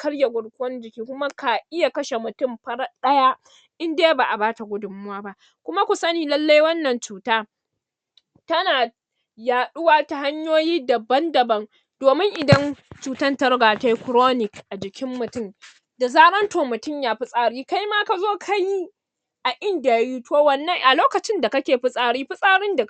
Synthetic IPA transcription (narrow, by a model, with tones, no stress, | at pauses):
kʰɐ˦ɽja˨ɡʷʊ˨ɽkʷʊ˦wɔ˦nd͡ʒɪ˨kʲiː˦kʷʊ˦ma˦ka˨ʔɪ˦ja˨kɐ˦ʃe˨mʊ˨tʊ˦mɸɐ˦ɽa˦ɗɐ˦ja˦ | ʔɪ˦ndeː˦baː˨ʔa˨baː˦ta˨ɡʷʊ˦dʊ˨mʊ˦waː˦ba˦ʔ | kʷʊ˦ma˦kʷʊ˨sɐ˦niː˨lɐ˦lːa˦jwɐ˦nːɐ˨nt͡ʃuː˨taː˦ | tɐ˦naː˨ | jaː˨ɗʊ˦waː˦ta˨ha˦ɲjoː˦jiː˦dɐ˨bɐ˦ndɐ˨bɐ˦n | d̥oː˨mɪ˦ŋʔɪ˨dɐ˦nt͡ʃuː˨tɐ˦ntɐ˦ɾɡaː˨ta˨jkɾoː˦nɪ˨kʔa˨d͡ʒɪ˨kʲʰɪ˦mːʊ˨tʊ˦m | da˨zaː˦ɾɐ˦ntoː˨mʊ˨tʊ˦˨ɲjaː˦ɸi˦sʼaː˦ɽiː˦ka˦jmaː˦ka˨zoː˦kʰa˦ji˦ | ʔa˨ʔɪ˦nda˨ja˦juː˦toː˦wɐ˨nːɐ˦˨ŋʔa˨loː˦kɐ˨t͡ʃɪ˦nda˨kɐ˦kʲeː˨ɸɪ˦sʼaː˦ɽiː˦ɸɪ˦sʼaː˦ɽɪ˦nda˨